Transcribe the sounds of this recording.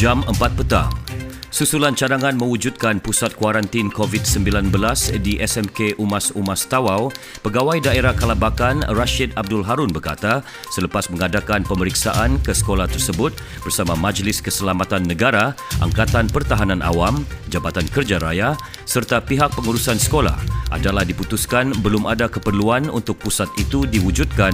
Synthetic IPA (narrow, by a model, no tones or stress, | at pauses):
d͡ʒaməmpat̪̚pət̪a̰ŋsusulant͡ʃaɾaŋãnmə̃wud͡ʒud̪̚kanpusat̪̚kwaɾant̪inkovit̪səmbilanbəlasdiʔɛsɛmkeʔumasumast̪awaw | pəɡawajdaeɾakalabakanraʃid̪ab̚dʊlɦaɾunbərka̰t̪a | sələpasmə̃ŋadakanpəməɾiksa̰ʔankəsə̥kolaht̪ərsəbʊt̪̚ | bərsamamad͡ʒlɪskəsəlamat̪anːəɡaɾaʔa̰ŋkat̪anpərt̪aɦanãnʔa̰wam | d͡ʒabat̪ankərd͡ʒaɾaja | sərt̪apiɦak̚pəŋuɾusansə̥kola̰hʔa̰dalahdiput̪uskanbəlʊmadakəpərluanṵnt̪ʊk̚pusat̪it̪udiwud͡ʒud̪̚kan